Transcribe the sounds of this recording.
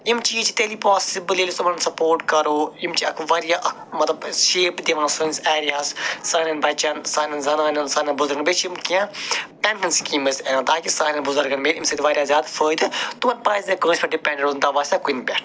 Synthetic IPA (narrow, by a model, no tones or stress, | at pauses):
imt͡ʃiːt͡ʃʰit̪eliːpɔːssiblelist̪umɐnnsɐpoːɾʈkɐɾoːimt͡ʃiɐkʰʋaːɾjaː | mɐt̪lɐbʃeːpd̪eʋãːnsunseːɾijaːssaːnɐnbɐt͡ʃɐnsaːnɐnzɐnaːnɐnsaːnɐnbʊzɐɾɡɐnbet͡ʃimkiãpɛɳʈɐnskiːmɐsenãːt̪aːkisaːnɐnbʊzɐɾɡɐnmeːɾimsɐt̪iʋaːɾʲjaːzjaːd̪fəːd̪ɨt̪umɐnpaːzekəːnsʲpʰɐɖipʲɛ̃ɳɖeɖund̪aʋaːsʲt̪akunbʲɛʈʰ